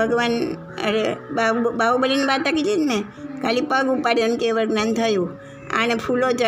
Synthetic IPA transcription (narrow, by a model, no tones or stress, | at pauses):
bʱəɡʋan | ə̰ɾebabaubəlinibat̪ːakid͡ʒed͡ʒme | kalipəɡupaɾjonkeʋəɾɡnant̪ʰəjũ | a̰ɽ̃epʰulot͡ʃa